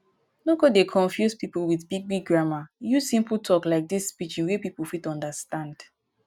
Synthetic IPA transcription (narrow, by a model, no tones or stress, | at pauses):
noɡodekʰɔ̃ɱfjuspipl̩wiθbiɡ̚biɡ̚ɡɹamajusĩmpl̩tʰɔklaɪk̚disːpit͡ʃĩnwepipl̩fitɔ̃ndəstãnd̥